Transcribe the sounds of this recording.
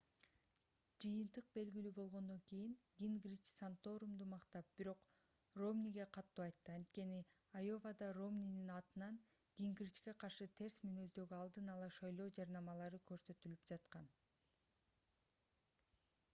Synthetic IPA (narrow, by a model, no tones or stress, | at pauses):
d͡ʒɯjɯnt̪ɯq̚be̞lɡilyːbo̞lˠʁo̞nd̪o̞ŋkijiŋɡʲiŋɡrit͡ʃsant̪o̞ɾumd̪umɑqt̪ɑp̚b̥iɾo̞q | ro̞mniɡe̞qʰɑt̪ːuːɑjt̪ːɯɑnt̪ke̞niajo̞vɑd̪ɑro̞mnʲininɑt̪ɯnɑn | ɡ̥ʲiŋɡrʲit͡ʃke̞qʰɑɾʃɯt̪ʰe̞ɾsminø̞zd̪ø̞ɡyɑlˠd̪ɯnɑlˠɑʃɑjlˠo̞ːd͡ʒɑɾnɑmɑlˠɑɾɯkø̞ɾsø̞t̪ylypd͡ʒɑt̪qɑn